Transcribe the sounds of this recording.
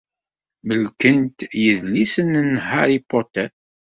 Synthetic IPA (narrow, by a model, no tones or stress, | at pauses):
məlkənt̪jəðlisənnhaɾipot̪æ